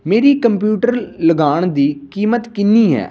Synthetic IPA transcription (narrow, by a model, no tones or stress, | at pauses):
meːɾiːkəmpjuːʈəɾləɡaːɳd̪iːkiːmət̪kɪnːiːɦɛ̰ː